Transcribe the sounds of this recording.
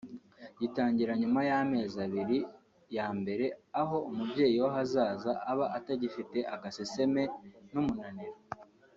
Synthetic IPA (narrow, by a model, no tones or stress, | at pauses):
ɟitaːɲɟiɾaɲumajame̞ːzaβiɾi | jaːmbe̞ɾe̞aɦo̞umubɟe̞ːjiwoɦazaːzaʔːβaʔataɟifite̞ʔaɡasese̞me̞numunaniɾo